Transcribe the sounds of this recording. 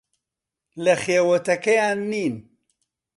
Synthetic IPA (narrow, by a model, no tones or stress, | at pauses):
lɐxeːwɐt̪ɐkɐjaːnːiːn